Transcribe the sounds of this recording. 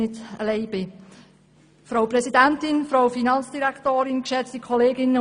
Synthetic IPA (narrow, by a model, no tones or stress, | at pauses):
ɪtə̰leɪbɪ | fɾaʊprɛsidɛntɪnfɾaʊfinɑnt͡sd̥iɾɛktoːɾɪnkʃɛt͡stikʰɔleːɡɪnə